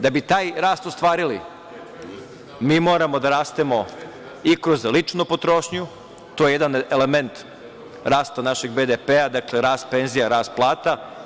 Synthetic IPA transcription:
d̪abit̪aːjɾaːst̪ost̪ʋaːɾilḭ | miːmo̞ːɾamo̞d̪aɾaːst̪emo̞ | ikɾo̞zlit͡ʃnopot̪ɾoʃɲu | t̪ojejed̪anele̞ment̪ | ɾaːst̪anaʃeɡbed̪epead̪akle̞ɾaːst̪̚pe̞nzijaɾaːst̪̚plˠaːt̪a

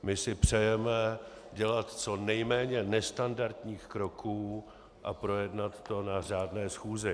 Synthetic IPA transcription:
mɪsɪpr̝̥ɛjɛmɛ | ɟɛlat̪t͡so̞nɛjmɛːɲɛnɛst̪andaɾt̪ɲiːxkɾo̞kʰuː | ʔapɾo̞jɛdnat̪ːo̞nar̝aːdnɛːsxuːzɪ

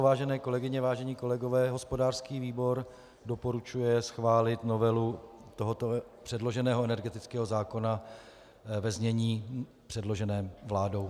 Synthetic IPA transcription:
vaːʒɛnɛːko̞lɛɡɪɲɛvaːʒɛɲiːko̞lɛɡo̞vɛːɦo̞spo̞daːr̥skiːviːbo̞ɾ | do̞po̞ɾut͡ʃujɛsxvaːlɪt̪no̞vɛlut̪o̞ɦo̞t̪o̞ | pr̥ɛdlo̞ʒɛnɛːɦoɛnɛɾɡɛt̪ɪt͡skɛːɦozaːko̞na | vɛzɲɛɲiː | pr̥ɛdlo̞ʒɛnɛːmvlaːdo̞w

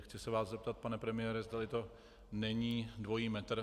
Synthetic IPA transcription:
xt͡sɪsɛvaːszɛp̚t̪at̪̚panɛpɾɛmɪjɛːɾɛzd̪alɪt̪o̞ | nɛɲiːdvo̞jiːmɛt̪r̩

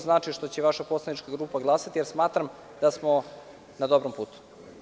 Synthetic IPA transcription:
znaːt͡ʃiʃt̪o̞t͡ɕeʋaʃaposlˠanit͡ʃkaɡɾuːpaɡlˠaːsat̪ijeɾsmaːt̪ɾam | d̪̥asmo | nad̪obɾompuːt̪u̥

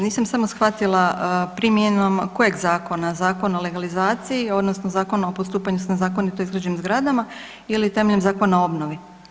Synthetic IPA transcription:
niːsamsamo̞sxʋat̪ilˠapɾimjeno̞mkojeɡzaːko̞nazaːko̞nole̞ɡalizaːt̪sijio̞d̪nosnozaːko̞naopost̪uːpaɲusnazaːkonit̪o̞izɡɾad͡ʑenimzɡɾad̪ama | ilit̪e̞meʎmzaːko̞nao̞bnoʋi

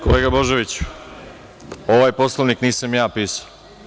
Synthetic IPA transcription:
koleːɡabo̞ʒeʋit͡ɕ | oʋajpo̞slˠoʋnikniːsamjaːpiːsḁ

